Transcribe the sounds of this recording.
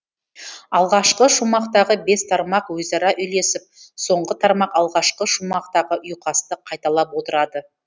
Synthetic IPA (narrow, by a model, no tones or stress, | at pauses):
ɑlˠʁɑʃqəʃumɑqt̪ɑʁəbe̞st̪ʰɑɾmɑqwɵzɑɾɑʔʏjle̞sɪp̚so̞ɴʁət̪ʰɑɾmɑqɑlˠʁɑʃqəʃumɑqt̪ɑʁəʔʊjqʰɑst̪əqʰɑjt̪ɑlˠɑpwo̞t̪əɾɑd̪ə